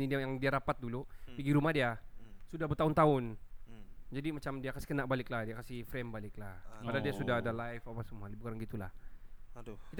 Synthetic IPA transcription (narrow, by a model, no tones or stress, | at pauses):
nidjaŋdiaɾapat̪̚dulupiɡiɾumahdiasudahbət̪aʊnt̪aʊn | d͡ʒadimat͡ʃamdiakasi̥kənaʔ̚balɪklahdiakasifɾɛmbalɪklahpadadiasudaɦadalajfapasəmualibukaɾaŋɡit̪ula̰h | kit̪